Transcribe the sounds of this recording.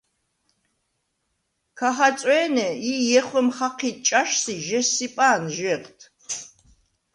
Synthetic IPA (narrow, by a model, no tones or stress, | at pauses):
kʰaχat͡sʼwɛːnɛijɛχʷəmχaqʰiːt̪̚ʰʼt͡ʃʼaʃsiʒɛsipʼaːnʒɛqt̪ʰ